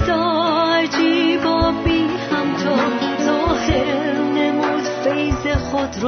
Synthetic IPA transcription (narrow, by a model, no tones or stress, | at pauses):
d̪̥ɔad͡ʒibɔbihæmt̪ʰɔzoheɾnemuːd̪fejzexod̪ɾ